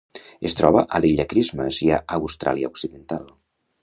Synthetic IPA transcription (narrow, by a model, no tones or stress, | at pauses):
est̪ɾɔβəʔəliʎəkɾizməʃiaʔəwst̪ɾʔa̰liəuksiðent̪alˠ